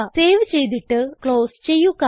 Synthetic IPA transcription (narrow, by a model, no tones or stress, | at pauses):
seːʋt͡ɕe̞jt̪̬iʈːɨkɭo̞ːst͡ɕe̞jːukːa